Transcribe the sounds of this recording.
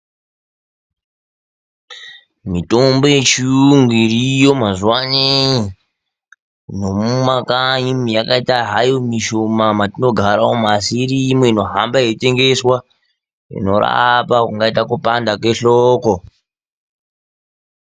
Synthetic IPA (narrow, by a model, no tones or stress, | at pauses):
mito̞mbo̞je̞t͡ʃiuŋɡirijo̞mazuwanei | no̞mumakaimijakaitaɦajomiʃomamatino̞ɡʱaɾaomasiɾiːmeino̞ɦambaete̞ŋɡe̞swa | ḭno̞ɾa̰pakuŋɡaitakupandakwe̞ɬoːko